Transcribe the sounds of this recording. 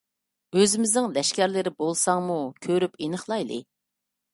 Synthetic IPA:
øzɪmɪznɪŋlɛʃkʲæɾlɪɾɪbolˠsɑŋmukʲʰøɾypenəχlˠɑjlˠɨ̰

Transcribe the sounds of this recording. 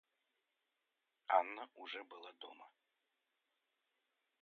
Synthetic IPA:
anːɐʔuʐɛbɨlˠad̪ɔ̰mɐ

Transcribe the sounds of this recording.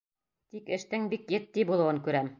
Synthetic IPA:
t̪ikɘ̆ʃt̪ɘŋbikjɘ̆t̪ːibulˠɤ̆wɤŋkʉɾæm

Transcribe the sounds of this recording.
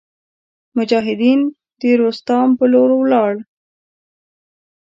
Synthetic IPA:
mʊd͡ʒɑɦɪd̪in | d̪̥əɾost̪ɑmpəloɾwlɑɽ

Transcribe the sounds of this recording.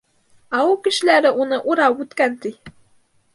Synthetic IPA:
ɑukɘ̆ʃɘ̆læɾɘʔunɤʔuɾɑwpʉt̪kænt̪ij

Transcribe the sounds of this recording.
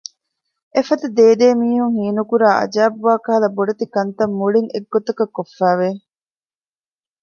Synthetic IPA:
ʔefɐt̪ɐd̪eːd̪eːmiːhuŋhiːnukuɾaːʔɐ̰d͡ʒaːbʋaːkɐɦɐlɐboɖɐt̪ikɐnt̪ɐmːuɭiŋḛɡːot̪ɐkɐkːofːæːʋe

